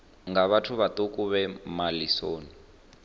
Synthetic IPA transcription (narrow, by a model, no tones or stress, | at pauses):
ŋɡaβatʰuβat̪okʼuβɛmalisoːni